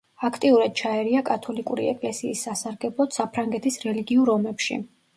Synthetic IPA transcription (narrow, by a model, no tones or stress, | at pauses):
akʰt̪ʼiuɾad̪̥̚t͡ʃʰaɛɾiakʼat̪ʰɔlikʼuɾḭɛ̰kʼlɛsiːsːasaɾɡɛblˠɔt̪sapʰɾaŋɡɛt̪ʰisɾɛliɡiuɾɔmɛpʃḭ